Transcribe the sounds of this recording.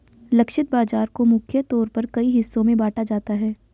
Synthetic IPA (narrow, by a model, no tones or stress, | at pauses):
lɐkʃɪt̪̚baːd͡ʒaːɾkomʊkʰjət̪ɔːɾpɐɾkɐiɦɪsːõmẽbaːʈʰad͡ʒaːt̪aɦɛː